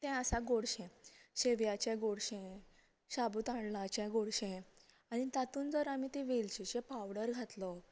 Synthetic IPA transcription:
t̪ɛ̃əsaɡoɽɕɛ̃ɕeʋjat͡ɕɛ̃ɡoɽɕɛ̃ | ɕabut̪aɳlat͡ɕɛ̃ɡoɽɕɛ̃ | aɽ̃it̪at̪uːnd͡zəɾamit̪eʋelt͡ɕiɕẽpawɽəɾɡʱat̪lɔ

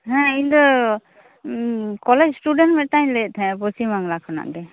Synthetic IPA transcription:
ɦɛ̃ind̪ɔ | kɔlɛd͡ʒsʈuɖɛnʈmɛʈaɲlet̪ʰɛ̃bɔsimaŋlakʰɔna̰ʔd̪ɛ

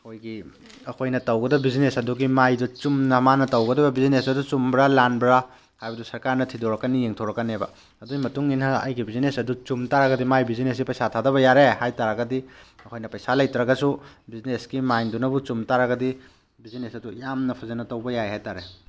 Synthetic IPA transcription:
ɐkʰojɡi | ɐkʰojnɐtɐwɡɐdɐbizinesɐduɡimajdut͡ʃumnɐmanɐtɐwɡɐdɐbɐbizinesɐdut͡ʃumbɾalanbɾa | hajbɐdusɐɾkaɾnɐtʰidoɾɐkːɐnijeŋtʰowɾɐkːɐnebɐ̰ | ɐduɡimɐtuŋinɦɐɐ̰jɡibizinesɐdut͡ʃumtaɾɐɡɐdimajbizinesɡipɐjsatʰadɐβɐjaɾehajtaɾɐɡɐdiɐkʰojnɐpɐjsalɐjtɾɐɡɐsubiznesɡimajndunɐbut͡ʃumtaɾɐɡɐdi | bizinesɐdujamnɐpʰɐzɐnɐtɐwbɐjajhajtaɾe

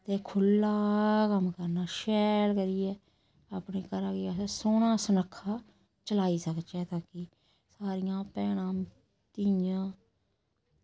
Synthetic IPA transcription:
t̪eːkʰʊlːaːkəmkəɾnaːʃɛːlkəɾiɛː | aːpneːkəɾaːkɪəssoːnãːsənəkʰːaː | t͡ʃəlaːiːsəkt͡ʃɛːt̪aːki | saːɾɪjãːpɛːɽ̃ãː | t̪ijãː

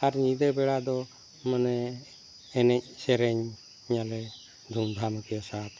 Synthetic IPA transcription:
aɾnid̪əbɛɽad̪ɔ | mənɛː | nɛc̚sɛɾɛɲ | ɲalɛ | d̪ʱumd̪ʱaməkijɔsat̪

